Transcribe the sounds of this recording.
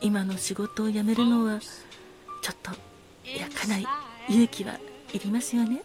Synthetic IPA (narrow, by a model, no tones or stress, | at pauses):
imano̞ɕiɡo̞t̪o̞ːjame̞ɾɯ̟no̞βa | t͡ɕo̞t̪ːo̞ | jakʰanaijɯ̟ːkʲiβa̰iɾʲimasɨjo̞ne̞